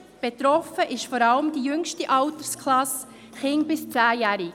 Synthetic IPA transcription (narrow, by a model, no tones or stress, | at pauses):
b̥et̪ɾɔfəʔɪʃfɔɾɑləmd̥ijʏŋʃtiʔɑwt̪əɾskχlɑs | χɪŋbɪst͡sæːjæːɾi